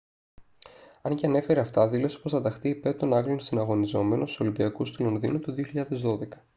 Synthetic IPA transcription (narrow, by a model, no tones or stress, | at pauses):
ɐnceɐne̞fe̞ɾeɐft̪ɐðilo̞sepost̪ɐd̪ɐxt̪iːpe̞ɾt̪o̞nɐɡlonsinɐɣo̞nizo̞me̞nosso̞limbiɐkust̪ulonðḭnut̪uðio̞çiʎɐðe̞zðo̞ðe̞kɐ̥